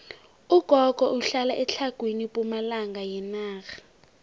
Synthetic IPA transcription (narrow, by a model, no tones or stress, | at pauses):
uɡ̥ʱɔɡ̥ʱɔʔuɬalaʔɛt͡ɬʰaɡ̥ʱwinipʼumalaŋɡajɛnaːxḁ